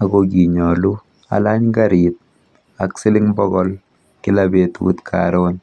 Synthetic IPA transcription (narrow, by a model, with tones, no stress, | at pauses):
a˨ɡoɡi˨ɲɔ˨lu˦ | a̰˨la˦ɲɡaɾit̪̚ | a˨ksɪ˦lɪ˦ŋbɔ˦ɣɔl | kɪ˦labetṵ˦t̪kʰa̰ɾon